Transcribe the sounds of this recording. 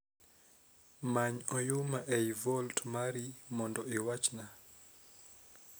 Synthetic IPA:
maɲɔjumaʔɛivɔltmaɾimɔndɔiwat͡ʃna

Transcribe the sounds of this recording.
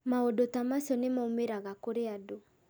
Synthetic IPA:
maodotamasɔnemaomeɾaɣakoɾeado

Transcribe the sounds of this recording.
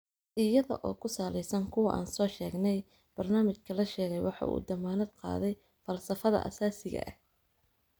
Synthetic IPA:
ʔɪjɐðɔ̰ʔɔːkʰʊsaːlɛjsɐŋkʰʊwɐʔa̰ːnsɔːʃɛːɡnɛj | b̥ɐrnaːmɪt͡ʃkʰɐlɐʃɛːɣɛjwɑħɑ̰ːʔṵːd̪ɐmaːnɐd̪̚qɑ̰ːðɛj | fɐlsɐfɐðɐ̰ʔɐ̰saːsɪɣɐ̰ʔɐ̰h

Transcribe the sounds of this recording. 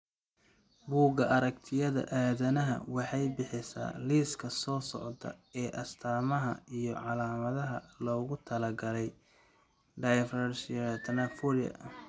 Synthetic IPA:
buːɡɐʔɐɾɐkt̪ʰɪjɐðɐ̰ʔaːðɐnɐɦɐ̰wɑħɑjbɪħɪsa̰ːliːskʰɐsɔːsɔ̰ʕd̪ɐ̰ɛːʔɐst̪ʰaːmɐɦɐ̰ijɞʕɑlaːmɐðɐɦɐlɔːɣʊt̪ʰɐlɐɡɐlɛj | ɖajfrɐʃɪt̪ʰɐnɐfɔɾɪjɐ̰

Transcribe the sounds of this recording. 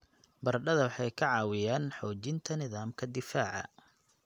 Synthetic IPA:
bɐrɖɐðɐwɑħɑjkʰɐʕɑːwɪjaːnħɔːt͡ʃɪnt̪ʰɐnɪðaːmkʰɐd̪ɪfaːʕɑ̰

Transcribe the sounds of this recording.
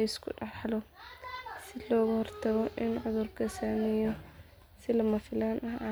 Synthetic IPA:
ɪskʰʊ̰ɖɑħlɔ | sɪlɔːɣɐhɔrt̪ʰɐɣɔʔɪnʕʊðʊrkʰɐsaːmɛjɔ | sɪlɐmɐfɪlaːnɐɦ

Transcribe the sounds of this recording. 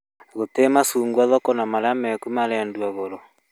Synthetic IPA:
ɣotemasuːŋɡwaðɔkɔnamaleamɛkumaɾɛndwaɣoɾɔ

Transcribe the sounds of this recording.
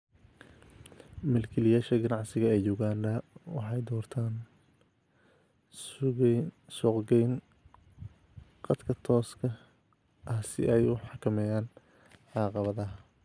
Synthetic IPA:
mɛlkʰɛlɪjaːʃɐɡɐnɑʕsɪɣɐɛjjuɣaːndɐwɑ̰ħɑjd̪ɔːrt̪ʰaːn | sɔqɡɛjn | qɑd̪kʰɐt̪ʰɔːskʰɐ | ʔɐhsɪ̰ʔɛjʊħɑkʰɐmɛjaːn | ʕɑːqɑβɐðɐɦɐ

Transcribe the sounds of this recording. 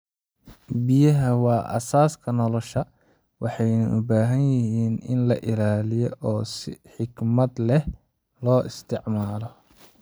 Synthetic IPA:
bɪjɐɦɐwɑːʔɐ̰saːskʰɐnɔlɔʃɐ | wɑħɑjnɐʔʊbaːɦɐnjɪɦiːnɪ̰nlɐʔɪlaːlɪjɔʔɔːsɪħɪɡmɐd̪lɛh | lɔːʔɪst̪ʰɪʕmaːlɔ

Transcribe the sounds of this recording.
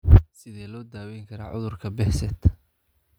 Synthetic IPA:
sɪðɛːlɔːd̪aːwɛjŋkʰɐɾa̰ːʕʊ̰ðʊrkʰɐbɛħsɛd̪

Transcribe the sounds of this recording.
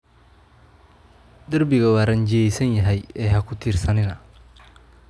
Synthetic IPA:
d̪ɐrbɪɣɐwaːɾɐɲd͡ʒɪjɛjsɐnjɐɦɛjɛːhɐkʰʊt̪ʰiːrsɐnɪnɐ

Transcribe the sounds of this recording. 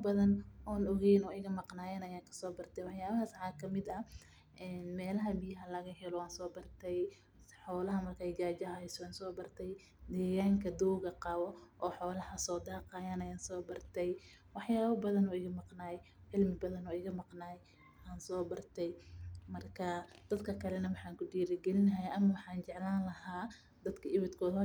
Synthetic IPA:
bɐðɐnʔɔːnɔɣɛjnɔːɪɣɐmɑqnaːjɛnɐjaːkʰɐ̥sɔːbɐrt̪ʰɛjwɑħjaːβɐɦaːsʕaːkʰɐmɪd̪ɐ | ʔɛːnmɛːlɐɦɐbɪjɐɦɐlɐɣɐɦɛlɔwaːnsɔːbɐrt̪ʰɛj | ħɔːlɐɦɐmɐrkʰaːjɡaːd͡ʒɐɐhɛjsɔaːnsɔːbɐrt̪ʰɛj | d̪ɛːɣaːŋkʰɐd̪uːɣɐqɑːwɔʔɔːħɔːlɐhɐsɔːd̪aːqɑːjaːnɛjaːnsɔːbɐrt̪ʰɛj | wɑħjaːβɐbɐðɐnɔːɪɣɐmɑqnaːj | ʕɪlmɪbɐðɐnɔːɪɣɐmɑqnaːj | aːnsɔːbɐrt̪ʰɛjmɐrkʰɐd̪̥ɐd̪kʰɐkʰɐlɛnɐwɑħɑːŋkʰʊɖiːɾɪɡɛlɪnɐɦɐjʔɐmɐwɑħɑːnt͡ʃɛʕlaːnlɐhaː | d̪ɐd̪kʰɐʔɪβɐd̪kʰɔːð

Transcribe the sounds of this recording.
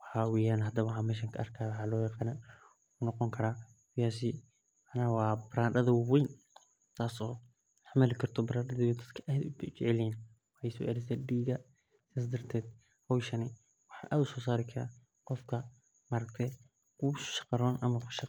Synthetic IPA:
wɑħawɛjaːnɦɐd̪ɐβɐwħaːmɛːʃ̬ɐŋkʰɐʔɐrkʰaːwʊħaːlɔːjɑqaːnɐ | kʰʊnɔqɔŋkʰɐɾaː | kʊjaːs̬i | mʕanawɑːbɾaːnd̪ɐðɐwwɛjn | t̪ʰaːsɔː | ħmɐlɪkʰɐrt̪ʰɔbɾaːnd̪ɐðɪjɛd̪ɐd̪kʰɐʔaːd̪ʊt͡ʃɛʕɛlɛn | wħasɔ̰ʔɛɾɛsɛːdiːɡɐ | saːsd̪ɐɾt̪ʰɛːd̪ | hɔwʃɐnɪ | wɑħaːʔaːd̪ʊsɔːsaːɾɪkʰɐɾa̰ | qɔfkʰɐ | mɐɾɐkt̪ʰɛ | ʊ̥ʃɐ̥qɑɾɔːnʔɐmɐkʃɐ

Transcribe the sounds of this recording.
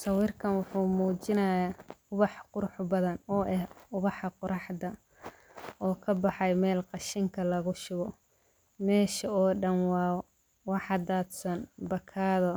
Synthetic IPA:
sɐwirkʰɐnwʊħuːmuːt͡ʃɪnɐjaʊβɑħqʊɾʊħbɐðɐnɔːʔɛhʊβɑħɑqʊɾʔɑħd̪ɐ | ɔːkʰɐbɑħɑjmɛːlqɑʃɪŋkʰɐlɐɣʊʃʊɣɔ | mɛːʃɐɔːɖɐnwɑː | wɑħɑd̪aːd̪sɐnbɐkʰaːðɔ

